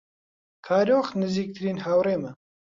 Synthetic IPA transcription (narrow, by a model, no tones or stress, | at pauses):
kʰaːɾoːxnɨziːk̚t̪ʰɨɾiːnhawɾeːmɐ